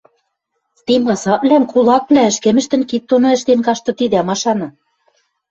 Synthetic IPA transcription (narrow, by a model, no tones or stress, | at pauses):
t̪imɑsɑβlænkulˠɑk̚βlæɘ̆ʃkĕmɘ̆ʃt̪ɘ̆nkit̪ːonŏɘ̆ʃt̪enkɑʃt̪ɤ̆t̪id̪æmɑʃɑnɤ̆